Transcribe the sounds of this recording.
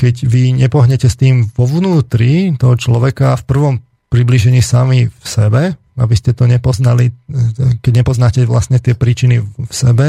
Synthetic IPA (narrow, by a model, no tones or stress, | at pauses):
kɛɟʋiɲɛpɔɦɲɛcɛst̪iːmʋɔʋnuːt̪ɾit̪ɔɦɔt͡ʃlɔʋɛkaːfpr̩ʋɔm | pɾibliʒɛɲiːsamifsɛbɛ | a̰biscɛt̪ɔɲɛpɔznali | kɛɟɲɛpɔznaːcɛʋla̰stɲɛt̪ɪɛpɾiːt͡ʃinifsɛbɛ